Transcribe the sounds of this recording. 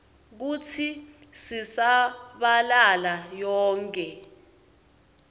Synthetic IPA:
k̬ut͡sʰi | sisaɓalalajɔːŋkʼɛ

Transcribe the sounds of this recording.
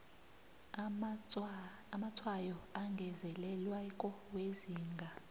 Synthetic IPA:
amatʰwajɔaŋɡʱɛzɛlɛlwakʼɔweziːŋɡʱa

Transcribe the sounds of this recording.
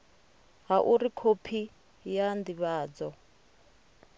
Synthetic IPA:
ɦaʔuɾikʰopʰi | jand̪iβaːd͡zɔ

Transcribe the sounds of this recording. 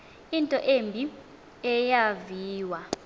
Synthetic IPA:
intʼɔʔembʱi | ɛjaviːwa

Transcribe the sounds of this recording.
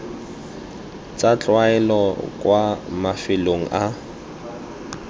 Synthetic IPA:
t͡sat͡ɬʼwaɛlɔkʼwamafɪloŋ̩ʔa

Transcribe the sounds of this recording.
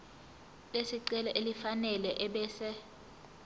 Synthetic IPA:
lesiǀɛlɔʔelifanɛlɛʔɛɓɛːsɛ

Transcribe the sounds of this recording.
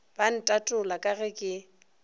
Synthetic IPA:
b̥an̩tʼatʼʊlakʼarɛkʼɪ

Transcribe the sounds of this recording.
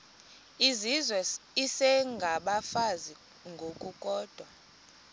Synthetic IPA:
izizwɛisɛŋɡʱaɓafazi | ŋɡʱokʼukʼɔːd̥ʱwa

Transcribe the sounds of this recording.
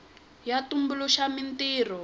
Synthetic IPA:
jatumbuluʃamintiːrɔ

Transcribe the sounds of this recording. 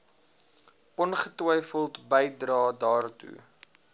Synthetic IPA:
ʔɔnχətwəjfəlˠtbəjdrɑːdɑːrtṵ

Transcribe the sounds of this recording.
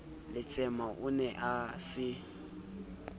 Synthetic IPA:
lɪt͡sʼɛmaʔʊnɛʔasɪ

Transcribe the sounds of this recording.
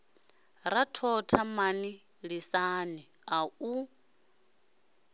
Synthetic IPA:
ɾatʰɔtʰamani | ɺisaːni | au

